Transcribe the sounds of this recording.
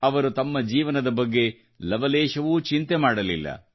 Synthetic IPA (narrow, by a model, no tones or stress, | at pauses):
ɐʋɐɾut̪ɐmːɐd͡ʒiːʋɐnɐd̪ɐbɐɡːe̞ | lɐʋɐleːʃɐʋuːt͡ʃint̪emaːɽɐlilːɐ̰